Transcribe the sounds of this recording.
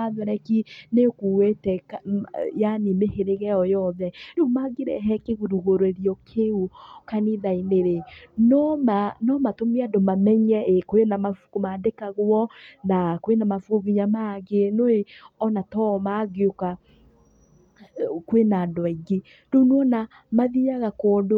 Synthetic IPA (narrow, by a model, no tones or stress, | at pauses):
aðɔɾɛkinekuwetɛkjanimeheɾeɣɛɔjɔðɛnomaɡeɾɛ̰ɦɛkeɣuɾuɣoɾoeɾiɔkʰeukaniðaineɾenɔmanɔmatomeadomamɛɲɛekwenamafkomaːdekaɣwɔnakwenamafuɣoɣiɲamaɡenoeɔnatɔmaɡeoka | kwenadwaiɡe | donwɔna | maðiaɣakodo